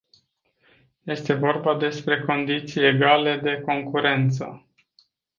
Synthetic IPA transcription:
je̞st̪e̞vo̞rbad̪e̞spɾe̞ko̞nd̪it̪sije̞ɡale̞d̪e̞ko̞ŋkuɾe̞nt̪sə̰

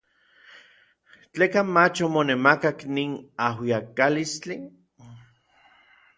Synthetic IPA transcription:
t͡ɬekamat͡ʃomonemakakniːnahwiakalist͡ɬi

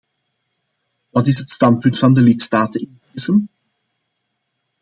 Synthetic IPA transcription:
ʋɑtɪsɦətstɑnt̚pʏntfɑndəlɪtstaːtənɪndeːzən

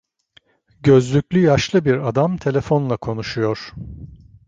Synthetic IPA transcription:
ɟø̞zlʲycʲlʲyjaʃlˠɯbiɾad̪amt̪ʰe̞lʲe̞fo̞nlˠakʰo̞nuʃujo̞ɾ̥

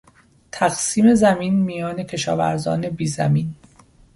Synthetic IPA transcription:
t̪ʰæɡsiːme̞zæmiːnmijɒːne̞cʰe̞ʃɒ̰ːvæ̰ɾzɒ̰ːne̞biːzæ̰miːn

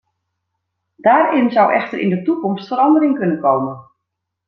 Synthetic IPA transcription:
daːrɪnzɔwʔɛ̰xtərʔɪ̰ndətukɔmstfəɾɑndəɾɪŋkɵnənkoːmən

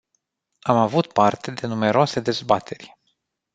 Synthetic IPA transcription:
amavut̪̚part̪e̞d̪e̞nume̞ɾoase̞d̪e̞zbat̪ʰe̞rʲ

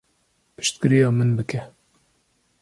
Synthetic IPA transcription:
pɨ̥ʃt̪kɨɾijɑːmɨnbɨkɛ

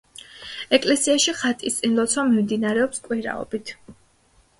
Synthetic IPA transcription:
ɛkʼlɛsiaʃiχat̪ʼist̪sʼinlˠɔt̪sʰwamimd̪inaɾɛɔpskʼwiɾa̰ɔ̰bit̪ʰ

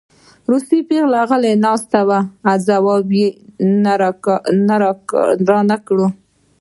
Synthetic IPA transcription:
ɾusipeɣlɑɣəlenɑst̪abaːzawɑbin | naɾɑnakɽu

